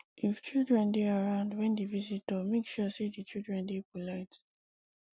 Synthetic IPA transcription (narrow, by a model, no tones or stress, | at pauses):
ift͡ʃildɹɛ̃ndeaɹãʊ̃ndwɛ̃ndivizitɔmekʃusedit͡ʃildɹɛ̃ndepolaɪt